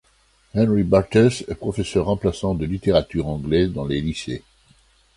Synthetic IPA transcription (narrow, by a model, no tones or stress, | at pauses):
hɛ̃nʁibaʁt̪ɛsɛpχɔfesœʁːɑ̃plasɑ̃d̪əlit̪eʁat̪yʁɑ̃ɡlɛd̪ɑ̃lelisḛ